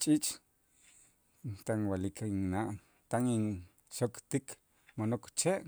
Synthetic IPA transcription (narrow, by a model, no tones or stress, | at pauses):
t͡ʃʼit͡ʃʼ | t̪aŋwalikʰŋnaʔ | t̪aŋiŋ | ʃokt̪ik | monokt͡ʃeʔ